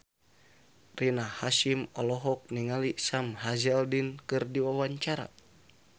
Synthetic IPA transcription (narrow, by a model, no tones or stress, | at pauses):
rinahaʃimɔlɔɦɔk̚niŋalisamɦazɛldinkɨrdiwawaɲt͡ʃaɾa̰